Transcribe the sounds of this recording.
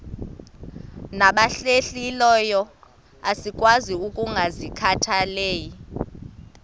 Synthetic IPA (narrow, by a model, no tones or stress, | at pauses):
naɓaɬeɬilɔjɔ | asikʼwaziukʼuŋɡʱazikʰatʰaleːji